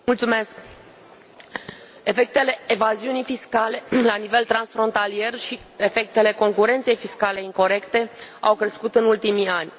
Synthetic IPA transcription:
mult̪sume̞sk | e̞fe̞k̚t̪e̞le̞evaziunijfiskale̞lanive̞lt̪ɾansfɾo̞nt̪alie̞rʃi | e̞fe̞k̚t̪e̞le̞ko̞ŋkuɾe̞nt̪se̞jfiskale̞iŋko̞ɾe̞kt̪e̞a̰wkɾe̞skut̪ɨnult̪imianʲ

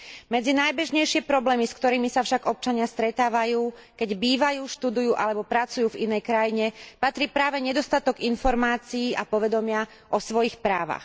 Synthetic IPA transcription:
mɛd͡zinajbɛʒɲɛjʃɪɛpɾɔblɛːmiskt̪ɔɾiːmisafʃaɡɔp̚t͡ʃaɲɪast̪ɾɛt̪aːʋajuː | kɛɟbiːʋajuːʃt̪ud̪ujuːʔalɛbɔpɾat͡sujuːvinɛjkɾajiɲɛpat̪ɾiːpɾaːʋɛɲɛd̪ɔst̪at̪ɔɡinfɔɾmaːt͡siiːʔapɔʋɛd̪ɔmɪa | ʔɔsʋɔjixpɾaːʋa̰x

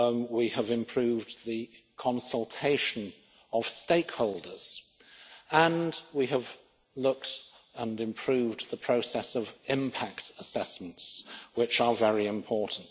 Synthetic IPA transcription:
wiəvɨ̃mpʰɹ̥ʉvðɨkʰɑ̃nsl̩ˠtʰeɪʃɨ̃n | əv̥steɪkhoʊlˠdə˞z̥ | ə̃nwiəv | lʊk̚t | ə̃nɨ̃mpʰɹ̥ʉvðəpʰɹ̥oʊsɛsʌvɪ̃mpʰæktəsɛsm̃n̩tswɪt͡ʃə˞vɛɹiɨ̃mpʰɔɹʔn̩t

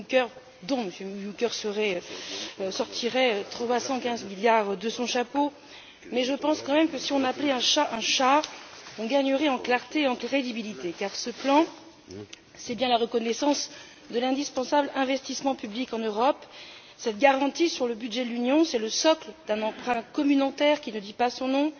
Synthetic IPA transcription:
ʒũŋkʲœʁ | d̪ɔ̃məsjømjũkʲœʁsəʁɛøøsɔʁt̪ʰiʁɛøt̪χɔvasɑ̃kʲɛ̃zmiljaʁd̪əsɔ̃ʃapo | mɛʒəpɑ̃skɑ̃mɛmkəsiɔ̃naplɛɛ̃ʃaʔɛ̃ʃaɔ̃ɡaɲəʁɛɑ̃klaʁt̪eeɑ̃kχed̪ibilit̪ekaʁsəplɑ̃ | sɛbjɛ̃laʁəkɔnɛsɑ̃s | d̪əlɛ̃d̪ispɑ̃sablɛ̃vɛst̪ismɑ̃pyblikɑ̃nøʁɔp | sɛt̪̚ɡaʁɑ̃t̪isyʁləbyd̪ʒɛd̪əlynjɔ̃sɛləsɔkləd̪ɛ̃nɑ̃pχɛ̃kɔmynot̪ɛʁkʲinəd̪ipasɔ̃nɔ̃

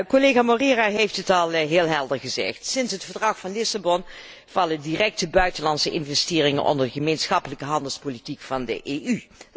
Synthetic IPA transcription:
koleːɣamoriːraɦejftətɑlˠɦɪːlˠɦɛlˠdəɹχəzɛ̰χtsɪnsɦətfəɹdrɑχfɑnlɪsabɔn | v̥ɑlədirɛk̚təbœɥtənlɑntsəʔɪnvɛstɪːrɪŋə̰nʔɔ̰ndəɹdχəmejnsχɑpələkəɦɑndəlˠspolitikfɑndə̰ʔeːy

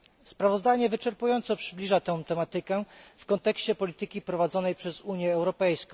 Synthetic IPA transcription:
spɾavɔzd̪aɲɛvɘt͡ʂɛɾpujɔnt̪sɔpʂɘblʲiʐat̪ɛ̃w̃t̪ɛmat̪ɘkɛfkɔnt̪ɛkɕt͡ɕɛpɔlʲit̪ɘkʲipɾɔvad̪zɔnɛjpʂɛzuɲjɛːwɾɔpɛjskɔ̃w̃

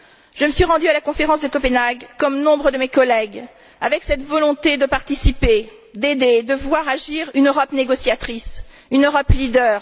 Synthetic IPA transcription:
ʒ̥əməsɥiʁɑ̃d̪yalakɔ̃feʁɑ̃sd̪əkɔpənaɡkɔmnɔ̃bʁəd̪əmekɔlɛɡ | avɛksɛt̪vɔlɔ̃t̪ed̪əpaʁt̪isipe | d̪ed̪ed̪əvwaʁaʒiʁynøʁɔpneɡɔsjat̪χis | ynøʁɔplid̪œːʁ

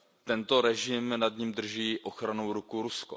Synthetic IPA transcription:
t̪ɛnt̪o̞ɾɛʒɪmnad̪ɲimd̪r̩ʒiːʔo̞xɾanowɾukuɾusko̰

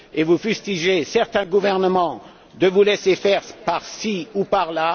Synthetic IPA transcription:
evufyst̪iʒesɛʁt̪ɛ̃ɡuvɛʁnəmɑ̃ | d̪əvulesefɛʁpaʁsiupaʁla

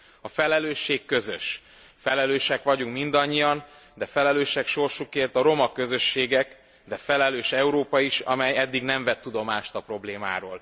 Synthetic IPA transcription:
ɒfɛlɛløːʃːeːkːøzøʃ | fɛlɛløːʃɛkʋɒɟuŋkmind̪ɒɲːijɒn | d̪ɛfɛlɛløːʃɛkʃo̞rʃukeːrt̪ɒɾo̞mɒkøzø̞ʃːeːɡɛk | d̪ɛfɛlɛløːʃɛuɾoːpɒiʃɒ̰mɛjɛd̪ːiɡnɛɱvɛt̪ːud̪o̞maːʃt̪ɒpro̞bleːma̰ːɾo̰ːl

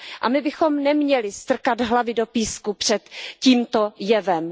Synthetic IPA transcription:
ʔamɪbɪxomnɛmɲɛlɪst̪r̩kad̪ɦlavɪdopiːskupr̝̥ɛt̪ciːmt̪ojɛvɛm

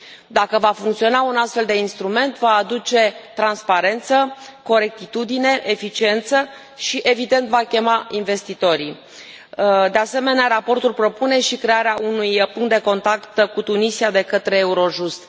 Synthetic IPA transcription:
d̪akəvafuŋkt̪sio̞naunast̪fe̞ld̪e̞inst̪ɾume̞nt̪vaːd̪ut͡ʃe̞t̪ɾanspaɾe̞nt̪səko̞ɾe̞k̚t̪it̪ud̪ine̞ʔefit͡ʃie̞nt̪sə | ʃiʔe̞vid̪e̞nt̪vakʲe̞mainve̞st̪it̪o̞ɾi | d̪e̞ase̞me̞neaɾapo̞rt̪ulpɾo̞pune̞ʃikɾe̞aɾeaʔunujpuŋkt̪d̪e̞ko̞nt̪akt̪kut̪unisiad̪e̞kət̪ɾe̞ːuɾo̞ʒust̪

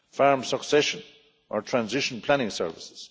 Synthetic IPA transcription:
faɹmsəksɛʃə̃n | ʔə˞tʰɹ̥ãnzɪʃə̃npʰl̥añɪ̃ŋsɛ̰ɹvɪsɪz̥

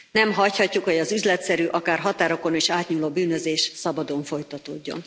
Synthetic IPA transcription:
nɛmɦɒchɒcːukhoɟɒzyzlɛt̪sɛɾyʔɒkaːrɦɒt̪aːɾo̞ko̞neːʃaːt̪ɲuːloːbyːnøzeːʃsɒbɒd̪o̞ɱfo̞jt̪ɒt̪o̰ːɟːo̰n

